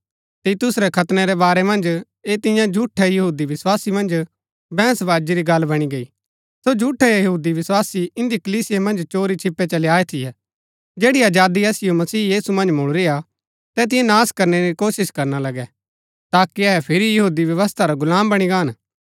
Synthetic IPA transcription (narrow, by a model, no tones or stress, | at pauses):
t̪iːt̪ʊsɾɛkʰɐt̪nɛɾɛbaːɾɛmɐ̃nd͡ʒ | eːt̪ɪ̃jãd͡ʒʱuːʈʰɛjɐɦuːd̪iʋɪswaːsimɐ̃nd͡ʒ | bɛ̃ːsʋaːd͡ʒiɾiɡɐlːbɐɽ̃iɡɐi | sod͡ʒʱuːʈʰɛjɐɐɦuːd̪iʋɪswaːsiɪ̃nd̪ikɐliːsɪjemɐ̃nd͡ʒt͡ʃoːɾit͡ʃʰɪpːet͡ʃɐljaːet̪ʰɪjɛ | d͡ʒeːɽiaːd͡ʒaːd̪iɛːsɪjomɐsiːjiːsumɐ̃nd͡ʒmʊɭɾia | t̪ɛt̪̬ɪ̃jãnaːskɐɾnɛɾikoːsɪskɐɾnalɐɡɛ | t̪aːkiɛɦɛpʰɪɾijɐɦuːd̪iʋjɐʋəst̪ʰaɾaɡʊlãːmbɐɽ̃iɡaːn